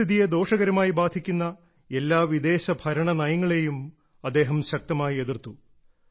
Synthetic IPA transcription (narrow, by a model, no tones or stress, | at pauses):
iðijed̪o̞ːʂɐɣɐɾɐmaːjibaːd̪ʱikʲːunːɐ | e̞lːaːʋid̪e̞ːɕɐbʱɐɾɐɳɐnɐjɐŋːɐɭe̞jum | ɐd̪ːe̞ːɦɐmɕɐk̚t̪ɐmaːjie̞ðirt̪ːu